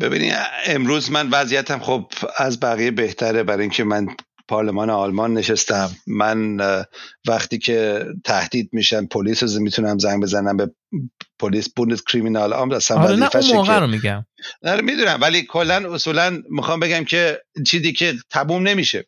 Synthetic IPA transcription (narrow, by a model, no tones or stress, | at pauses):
b̥e̞̰bḭnḭemɾuːzmænvæzijæt̪ʰæmχobæzbæɣijebe̞ht̪ʰæɾebæɾɒːjiŋcʰe̞mæn | pʰɒɾlemɒːneɒlmɒnːe̞ʃest̪æmːæn | væxt̪iːcʰe̞t̪ʰæhd̪̥iːd̪̚miʃæmpʰoliːsozmit̪ʰunæmzæŋbe̞zænæmbe̞ | pʰoliːsbund̪eskʰɾiminɒlɒ̰ːmdæsænvæziːfæmoɣæɾomiɟæmæɾmid̪unæmvæliːkʰo̞lːænosuːlænmixɒːmbe̞ɡæmcʰe̞t͡ʃʰiːziːcʰet̪ʰæmumne̞miːʃe